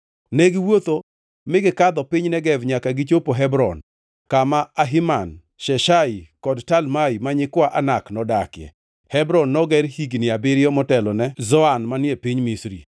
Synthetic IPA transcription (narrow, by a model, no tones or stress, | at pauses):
nɛɡɪwot̪o | mɪɡɪkad̪ɔpɪɲnɛɡɛvɲakaɡɪt͡ʃopoɦɛbɾɔn | kamaːɦiman | ʃɛʃaikɔdtalmaimaɲɪkwaʔanaknɔdakɪjɛ̰ | hɛbɾɔnːɔɡɛɾhiɡnɪabɪɾjɔmɔtɛlɔnɛzɔanmanjepiɲmisɾḭ